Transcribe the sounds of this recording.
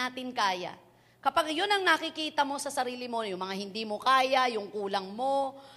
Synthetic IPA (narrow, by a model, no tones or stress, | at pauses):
aːt̪ɪnkaːja̰ | kɐpaɡjonɐŋnɐkɪkiːt̪ɐmo̞sɐsɐɾiːlɪmo̞jʊŋmɐŋahɪnd̪iːmo̞kaːjajʊŋkuːlɐŋmo̞